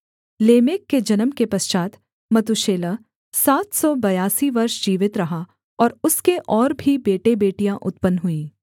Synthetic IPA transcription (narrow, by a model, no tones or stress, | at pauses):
leːmeːkːed͡ʒɐnəmkepɐst͡ʃaːt̪ | mɐt̪uʃeːlə | saːt̪sɔbɐjaːsiʋɐɾʃd͡ʒiːʋɪt̪ɾɐɦa | ɔːɾʊskeʔɔːɾbʱibeːʈebeːʈijãʔʊt̪pənɦʊĩː